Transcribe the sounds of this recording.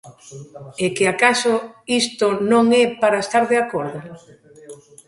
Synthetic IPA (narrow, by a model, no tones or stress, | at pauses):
ekeakasoist̪onõŋɛpaɾaest̪aɾðeakoɾðʊ